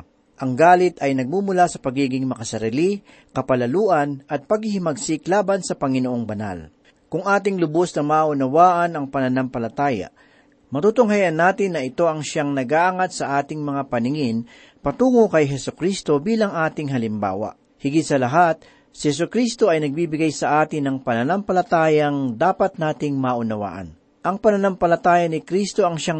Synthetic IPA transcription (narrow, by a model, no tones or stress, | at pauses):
ʔɐŋɡaːlɪt̪ɐjnɐɡ̚mumʊlasɐpɐɡiːɡɪŋmɐkɐsɐɾili | kɐpɐlɐluːʔɐnʔɐt̪̚pɐɡhɪhɪmɐɡsɪklaːbɐnsɐpɐŋɪnoʔo̞ŋbɐna̰l | kʊŋʔaːt̪̬ɪŋlʊbosnɐmaːʔʊnɐwaːʔɐnɐŋpɐnɐnampɐlɐt̪aːja̰ | mɐt̪uːt̪ʊŋɦajɐnːaːt̪ɪnːɐʔɪt̪o̞ʔɐŋʃaŋnɐɡaʔɐŋat̪̚sɐʔaːt̪ɪŋmɐŋapɐnɪŋɪn | pɐt̪uːŋokɐjɦɛsʊkɾist̪o̞biːlɐŋʔaːt̪ɪŋɦɐlɪmba̰ːwɐ̰ | hɪɡɪt̪sɐlɐɦat̪̚ | sɪhɛs̬ʊkɾist̪o̞ɐjnɐɡ̚bibɪɡajsɐʔaːt̪ɪnːɐŋpɐnɐnɐmpɐlɐt̪aːjɐŋd̪aːpɐt̪̚naːt̪ɪŋmaʔʊnɐwa̰ːʔɐ̰n | ʔɐŋpɐnɐnampɐlɐt̪aːjɐnɪkɾist̪o̞ɐŋʃa